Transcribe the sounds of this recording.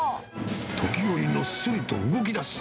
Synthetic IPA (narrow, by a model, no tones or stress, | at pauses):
t̪ʰo̞kʲijoɾʲino̞̥sɨɾɯt̪o̰ɯɡo̞k̬ʲid̪asɨ̥